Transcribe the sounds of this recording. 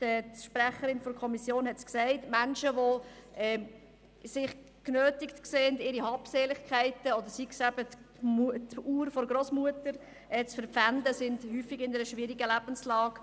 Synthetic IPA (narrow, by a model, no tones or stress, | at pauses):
ɛʃpɾæχəɾɪnfɔɾkʰɔmisjoːnhɛtsksæɪtmænʃəʋoɛː | sɪχ | knøːtɪktkseːndɪɾihɑːpseːlɪχkʰæɪtəɔd̪əɾsiksæbə | mtuːɾfɔɾɡɾosmuətəɾ | ɛt͡sfəɾpfændəsɪndhyːfɪɡɪnɛɾəʃʋɪɾiɡəlæb̥ənslɑːk